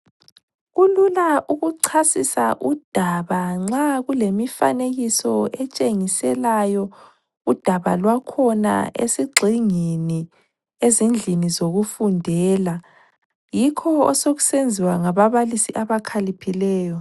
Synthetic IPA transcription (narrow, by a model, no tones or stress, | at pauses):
ɣululaʔuɣuǀʰasisaʔud̥ʱaβaŋ͡ǁaɣulemifa̰neɣisɔɛt͡ʃʼeŋisɛlajɔ | ud̥ʱaβalwakʰɔna̰esiɡ͡ǀʱiŋeni | ezind͡ɮʱinizoɣufundʱɛːla | jikʰɔɔsoɣusend͡zʱiwaŋaβaβalisiʔaβakʰalipʰilɛːjɔ